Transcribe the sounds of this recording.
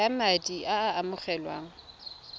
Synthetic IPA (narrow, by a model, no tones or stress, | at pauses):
amadʼiʔaːmʊχɛlwa̰ːŋ̩